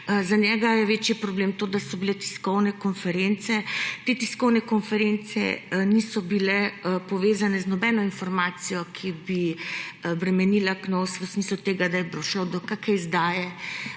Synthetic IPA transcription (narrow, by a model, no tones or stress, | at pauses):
zaɲjɛɡajɛʋeːt͡ʃjipɾɔbleːmt̪oːd̪asɔbilɛt̪i̥skɔwnɛkɔnfɛɾent̪sɛt̪eːt̪iskɔwnɛkɔnfɛɾent̪sɛ̰nisɔbilɛpɔʋeːzanɛznɔbɛnɔinfɔɾmaːt̪sijɔkʰibi | bɾɛmɛniːlaknosʋəsmislut̪eːɡad̪ajɛbɾɔʃəwd̪ɔkakajzd̪aːjɛ